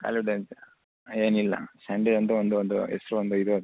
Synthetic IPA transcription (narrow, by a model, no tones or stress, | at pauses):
ka̰ːlfʋiʈens | eːnilːɐ̰sɐɳɖeɖɐnd̪uond̪uɔnd̪uɛsɐɾuʋond̪uid̪u